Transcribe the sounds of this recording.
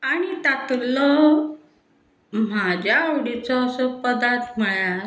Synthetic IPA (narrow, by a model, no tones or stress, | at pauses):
aɽ̃it̪at̪lɔ | m̤ad͡ʑʱjaːwɽit͡sɔːsɔpəd̪at̪məɭa